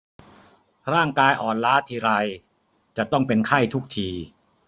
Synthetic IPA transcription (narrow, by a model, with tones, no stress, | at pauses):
ɾaː˥˩ŋkaː˧jʔɔː˨˩nlaː˦˥t̪ʰiː˧ɾa˧j | t͡ɕa˨˩t̪ɔ˥˩ŋpe˧nkʰa˥˩jt̪ʰu˦˥k̚t̪ʰiː˧